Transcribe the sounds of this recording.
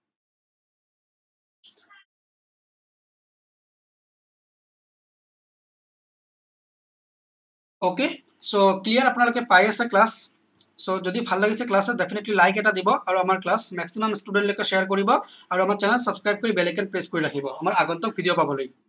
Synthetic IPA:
oke | soklijaɹapʊnalokɛpajasɛklasː | ozodibʱalːaɡisɛklasɛdepʰinetlilajkɛtadibɔʔaɹuamaɹklasmɛksimamstuɖɛntlojkɛʃɛjaɹkoɹibɔaɹuamaɹt͡ʃɛnɛlsɔbskɹajb̚kɔɹibɛlɛkanpɹeskoɹiɹakʰibɔamaɹaɡɔnt̪ɔk̚bʱidijɔpabɔloj

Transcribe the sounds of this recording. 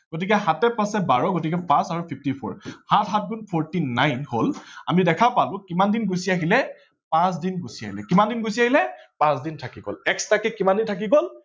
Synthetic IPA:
ɡ̥ot̬ikɛɦatɛpãsɛbaɹɔɡotik̬ɛpãsaɹupʰipʰtipʰɔ̰ɹhatʰɦat̚ɡunpʰɔɹtina̰jnhola̰midɛkʰapalʊ̃kimandinɡosiaɦilɛ | pãs̬dinɡosia̰ɦilɛ̰kimandinɡosiaɦilɛpãsdintʰakiɡo̰lɛkstakɛkimandintʰakiɡol

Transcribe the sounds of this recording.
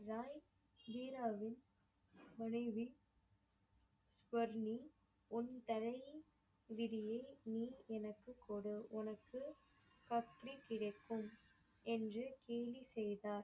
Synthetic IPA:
ɾaːj | d̪iːɾaːʋɪn | mɐnɐɪʋi | sʋɐɾni | ʊnt̪ɐɾɐɪj | ʋɪɾɪjɐɪniːɛnɐkːɯkːoːɽɯʔʊnɐkːɯ | kɐt̪ɾikɪɽɐɪkːɯm | ɛndrɯkeːlisɛjðaːɾ

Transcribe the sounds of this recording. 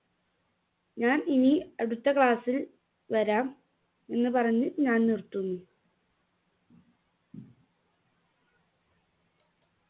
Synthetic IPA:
ɲaːniniɐɽut̪ːɐkɭaːsil | ʋɐɾaːm | e̞nːɨpɐrɐɲːuɲaːnnirt̪unːu

